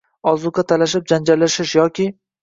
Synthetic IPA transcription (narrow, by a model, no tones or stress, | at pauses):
ɒzʊqat̪ʰalaʃ̬ɪp̚d͡ʒand͡ʒalːaʃɪʃjɒkʲʰɪ